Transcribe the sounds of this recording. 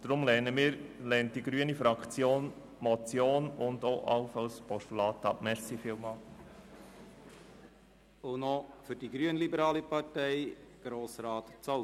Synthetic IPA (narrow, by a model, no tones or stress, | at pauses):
d̥ɾʊmlɛnəmiːɾlɛnt̚d̥iɡɾyənifɾɑkt͡sjoːn | mɔt͡sjoːnʊndoʔɑ̰ʊfɑwspɔʃtolɑːt̪ɑpmɛɾsifɪlmɑ | onɔfʏɾdiɡɾyənlibəɾɑːlipɑtɛɪjɡ̥ɾoːsɾɑːtt͡sɔ